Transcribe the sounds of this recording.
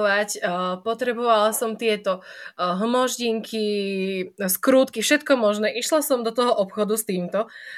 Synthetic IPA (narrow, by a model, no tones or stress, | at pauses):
ʋacpɔt̪ɾɛbɔʋalasɔmt̪ɪɛt̪ɔɦmɔʒɟiŋkʰi | skɾuːt̪kifʃɛt̪kɔmɔʒnɛːʔiʃlasɔmd̪ɔt̪ɔɦɔʔɔpxɔd̪ust̪iːmt̪ɔ